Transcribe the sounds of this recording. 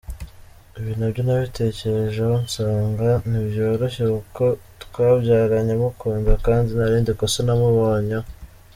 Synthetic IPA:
iβiːnuβɟonaβitʰe̞ːce̞ɾe̞ʒehonsaːŋɡaniβjo̞ːɾo̞çekuko̞ | tkwaːβɟaːɾaɲamukʰuːndakaːndinaɾiːndikosonamuβoːɲa

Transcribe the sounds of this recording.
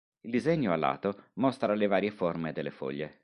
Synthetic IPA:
ild̪izeɲːoalːa̰ːt̪omɔst̪ɾalevaːɾjeformed̪elːefɔ̰ʎːḛ

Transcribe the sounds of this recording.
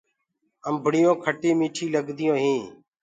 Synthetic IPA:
əmbʱəɽɪjõːkʰəʈiːmĩːʈʰiːləɡd̪ɪjõːɦĩː

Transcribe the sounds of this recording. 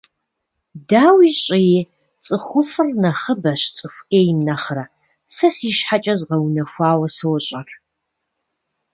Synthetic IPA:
daːwiɕʼiji | t͡sʼɨχʷʊfɨrnɐχəbɐɕt͡sʼɨxʷeːjmnɐχrɐ | sɐsiːʃħat͡ʃʼɐzʁɐwnɐxʷaːwɐsɨwɕʼɐr

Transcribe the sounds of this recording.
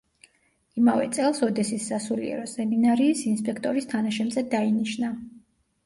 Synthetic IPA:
imavɛ̰t̪sʼɛlˠsɔd̪ɛsisːasulḭɛ̰ɾɔsɛminaɾiːsinspʼɛkʰt̪ʼɔɾist̪ʰanaʃɛmzɛd̪ainiʃna

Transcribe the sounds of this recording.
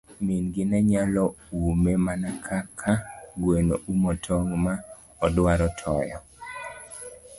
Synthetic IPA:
minɡɪnɛɲalɔumemanakʰakʰaɡwenoumɔtʰɔŋma | ɔdwaɾɔtʰɔjɔ̰

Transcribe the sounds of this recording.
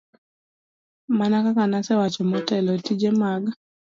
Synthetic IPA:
manakakanasɛwat͡ʃɔmɔtɛlɔtid͡ʒɛmaɡ

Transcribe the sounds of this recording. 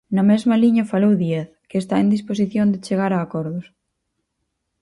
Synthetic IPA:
nɐmezmɐliɲɐfalowðjɛθkeːst̪aend̪ispos̬iθjõnd̪et͡ʃeɣ̞aɾaːkɔɾðʊs

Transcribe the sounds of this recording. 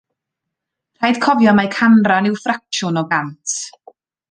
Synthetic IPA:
r̥ajd̥kʰɔvjɔmajkʰanranɪwfrak̚ʃʊnɔɡantʰ

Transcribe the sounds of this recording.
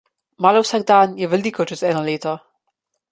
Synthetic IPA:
maːlɔwsaːɡ̚d̪aːnjɛʋɛliːkɔt͡ʃɛst̪ɛːnɔleːt̪ɔ

